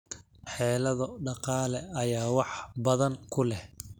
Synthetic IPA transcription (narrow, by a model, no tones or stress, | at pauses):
ħɛːlɐðɐɖɑqɑːlɛɐjaːwɑħbɐðɐŋkʰʊlɛh